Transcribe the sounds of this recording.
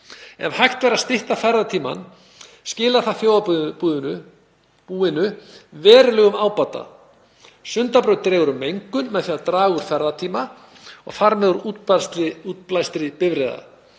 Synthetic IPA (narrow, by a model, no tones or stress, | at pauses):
ɛ̰vhajxt̪vɛːɾaðst̪ɪht̪afɛɾðat̪ʰiːma̰n | scɪːlaðθaðθjoːwðauð | uːɪnʏvɛːɾʏlœɣʏmaːwpat̪a̰ | sʏnt̪apɾœɥt̪ɾɛːɣʏɾʏmːejŋkʏnmɛðfjaðt̪ɾaːɣʏɾ̥fɛɾðat̪ʰiːma | ɔ̰ɣfaɾmɛðuɾust̪ɪut̪plajst̪ɾɪpɪvɾɛːða̰